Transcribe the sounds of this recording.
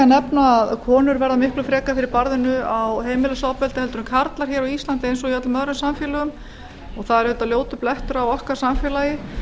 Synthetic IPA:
anɛpnaːðkʰɔːnʏɾvɛɾðamɪhklʏfɾɛːkafɪɾɪɾpaɾðɪnʏawɦeːjmɪlasaːwpɛlt̪ɪɛlt̪ʏɾʏmkʰaɾt̪laɾ̥çɛːɾɔist̪ant̪ɪejnsɔɣijœt̪lmœðɾʏmsamfjɛːlʏʏm | ɔɣθaðɛɾʏt̪aðljoːwt̪ʏplɛht̪ʏɾawɔhkḁsamfjɛːlajɪ

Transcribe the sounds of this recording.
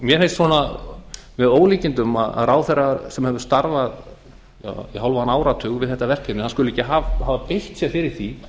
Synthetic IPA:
mjɛfenst̪sɔna | vɛðoːwliːcɪnt̪ʏma̰ða̰ðraːwθɛrasɛmhɛvʏɾ̥st̪aɾvað | ja̰iɦawlvahanaːwɾat̪ʰʏːɣvɪðθɛht̪ːavɛr̥kɛnɪhanskʏlʏɛcːɪɦavhaːvapejht̪sjɛfɪɾɪɾ̥θi

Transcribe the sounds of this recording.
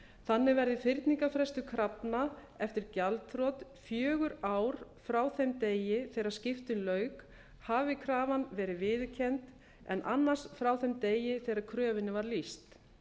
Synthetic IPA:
θanːɪvɛɾðɪfɪɾt̪niŋkafɾɛst̪ʏkʰɾapna | ɛft̪ɪɾcalt̪θɾɔt̪fjœːɣʏɾaːwɾ̥fɾaːwθemt̪eːjɪθɛjɾaɾ̥scɪft̪ʏnlœːɥk | havɪkʰɾaːvanvɛːɾɪvɪðcʰɛnt̪ | ɛ̰nʔa̰nːḁsfɾaːwθɛmt̪eːjɪθɛjɾaɾkʰɾœːvɪnːɪvaɾlist̪

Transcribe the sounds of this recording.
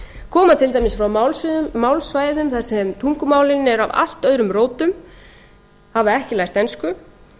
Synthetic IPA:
kʰɔːmat̪ʰɪlt̪ajmɪsfɾawmawlsːawlsvaːjðʏmθasɛmt̪ʰuŋkʏmaːwlɪnɛɾa̰va̰l̥t̪œðɾʏmroːwt̪ʏm | havaɛhcɪlajr̥t̪ɛnskʏ

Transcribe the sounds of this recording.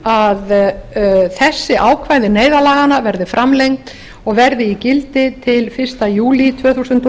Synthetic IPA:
að | θɛsːɪʔaːwkʰvajðɪneːjðalaːɣanavɛɾðɪfɾʔamlejŋkt̪ | ɔɣvɛɾðɪicɪlt̪ɪt̪ʰɪlfɪr̥st̪ajuːlit̪ʰv̥œːθusʏnt̪

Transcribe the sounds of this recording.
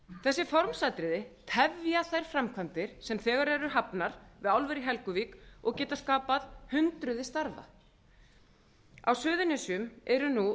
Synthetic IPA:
θɛsːɪfɔɾmsaːjt̪ɾɪðɪt̪ʰɛvjaθejɾ̥fɾamkʰvant̪ɪɾ̥sɛmθɛːɣaɾɛɾʏɦapnaɾ̥vɪðawlvɛɾiɦɛlkʏviːkɔɣcɛːt̪askaːpaðhʏnt̪ɾʏðɪst̪aɾða̰ | awsʏːðʏnɪsjʏmɛɾʏnu

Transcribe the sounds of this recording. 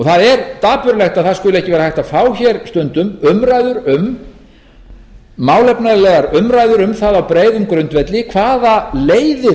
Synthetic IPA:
ɔθaðɛɾt̪aːpʏɾlɛxt̪aðθaðskʏlʏɛhcɪvɛːɾahajht̪aðfaːwçɛɾst̪ʏnt̪ʏmʏmɾajðʏɾʏm | aːwlɛpnaðlɛɣaɾʏmɾaːjðʏɾʏmθaðawpɾeːjðʏmkɾʏnt̪vɛt̪lɪkʰvaːðaleːjðɪ

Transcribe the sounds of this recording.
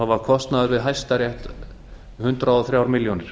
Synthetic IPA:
avakʰɔst̪naðʏɾvɪðɦajst̪aɾjɛht̪ | hʏnt̪ɾaɔθɾjawɾmɪljɔnɪɾ̥

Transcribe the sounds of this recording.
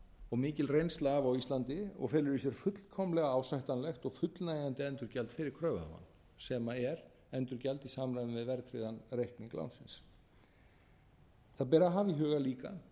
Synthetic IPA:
ɔɣmɪːcɪlrejnst̪lavawist̪lant̪ɪɔ̰ɣfɛːlʏɾisɛɾ̥fʏt̪l̥kʰɔmlɛɣaawsajht̪anlɛxt̪ɔɣfʏt̪lnajɣant̪ɪɛnt̪ʏɾcalt̪fɪːɾɪɾ̥kʰɾœːva̰ma̰n | sɛmaɛɾ | ɛnt̪ʏɾcalt̪isaːmɾajnɪvɪðvɛɾt̪ɾɪðanrejhkniŋkla̰wnsɪns | θaðp̬ɛːɾaɦaːviɦœːɣaliːka̰

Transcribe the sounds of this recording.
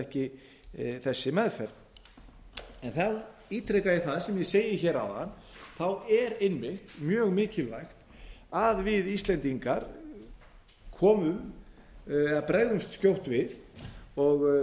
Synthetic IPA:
ɛhcɪ | θɛsːɪmɛðfɛɾt̪ | ɛnθawiːt̪ɾɛkajɪθaðsɛmjɛseːjɪçɛːɾa̰wa̰n | θawɛɾɪnmɪxt̪mjœːɣmɪːcɪlvajxt̪ | aðvɪðist̪lɛnt̪iŋkaɾ̥ | kʰɔːmʏm | ɛðapɾaːjɣðʏmst̪scowht̪vɪðɔɣ

